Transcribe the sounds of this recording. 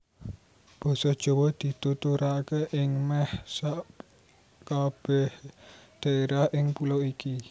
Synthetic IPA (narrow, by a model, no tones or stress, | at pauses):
b̥ɔ̤sɔd̥ʒ̥o̤wɔd̪̥i̤t̪ut̪uɾakeʔɪŋmɛhsaʔ | kab̥ɛhd̪̥aeɾahʔɪŋpuloiki